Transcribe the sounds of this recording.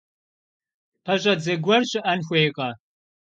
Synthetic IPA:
pʰɐʑʼɐd͡zɐɡʷɐrɕʼɪʔɐnxʷejqʼɐ

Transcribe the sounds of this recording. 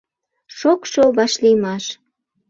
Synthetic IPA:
ʃokʃoβɑʃlijmɑʃ

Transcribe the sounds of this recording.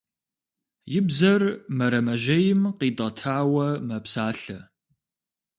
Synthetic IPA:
jɪbzɐrmɐɾɐmɐʒɐjɪmqiːdɐtʰaːwɐmɐpsaːɬɐ

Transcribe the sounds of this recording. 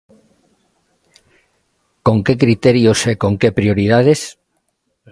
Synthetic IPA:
kõŋkekɾit̪eɾjosekoŋkepɾioɾiðað̞es

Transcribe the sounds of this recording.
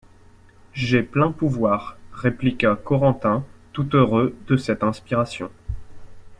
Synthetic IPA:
ʒɛplɛ̃puvwaːʁːeplikakɔʁɑ̃t̪ɛ̃t̪ut̪øʁød̪əsɛt̪ɛ̃spiʁasjɔ̰̃

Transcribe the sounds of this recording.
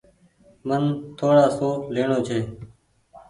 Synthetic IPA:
mənt̪ʰoːɽaːsoːleːɳoːt͡ʃʰeː

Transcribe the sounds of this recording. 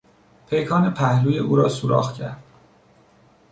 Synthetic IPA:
pʰejkʰɒːnepʰæhluːje̞ʔuːɾɒːsuɾʔɒ̰ːxcʰæ̰ɾd̪̥̚

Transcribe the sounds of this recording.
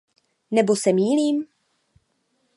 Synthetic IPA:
nɛbo̞sɛmiːliːm

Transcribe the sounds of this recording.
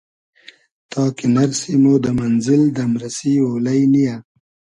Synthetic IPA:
t̪ɑːkinaɾsimod̪əmanzɪld̪amɾasiwoːlajnija

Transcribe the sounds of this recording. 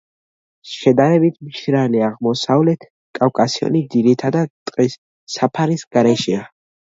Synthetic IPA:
ʃɛd̪aɾɛbit̪ʰmʃɾaliaʁmɔsavlɛt̪ʰ | kʼafkʼasiɔ̰nid̪ziɾit̪ʰad̪at̪ʼqʼisː | apʰaɾisɡ̥aɾɛʃɛa

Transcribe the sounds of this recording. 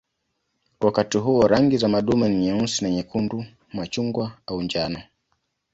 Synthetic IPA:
wakatiɦuɔɾaŋɡizamaɗumaniɲɛunsinaɲɛkundu | mat͡ʃuŋɡwaauɲd͡ʒanɔ

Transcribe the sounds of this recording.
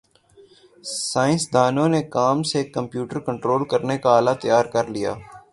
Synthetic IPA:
saːɪ̃nsd̪aːnõnekaːmsekːə̃mpjuːʈəɾkə̃ɳʈɾoːlkəɾnekaaːlat̪ɐjaːɾkəɾlija̰ː

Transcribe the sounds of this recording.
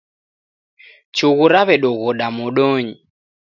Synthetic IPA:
t͡ʃuɣuɾaβɛɗɔɣɔɗamɔɗɔɲi

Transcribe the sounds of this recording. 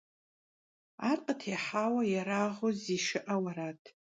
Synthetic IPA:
arqʼətʰeħawajaɾaʁoziʂɨʔawaɾatʰ

